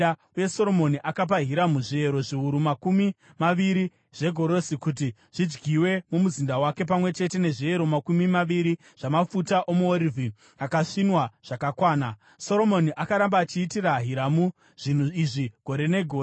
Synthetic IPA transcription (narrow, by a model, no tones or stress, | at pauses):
auje̞so̞ɾo̞mo̞niʔakap̬aɦiɾamuʐie̞ɾo̞ʐiuɾumakumi | maʋiɾi | ʐ̥e̞ɡʱo̞ɾo̞sikut̬i | ʐ̥id͡ʒɡiwe̞mumuzindawake̞p̬amwe̞t͡ʃe̞te̞ne̞ʐie̞ɾo̞makumimaʋiɾi | ʐ̥amafutaʔo̞muoɾivʱi | akaʂinwaʐ̥akakwaːna | so̞ɾo̞mo̞niʔakaɾambaːt͡ʃiːtiraɦiɾamu | ʐ̥in̤uiʐiɡ̥ʱo̞ɾe̞ne̞ɡʱoː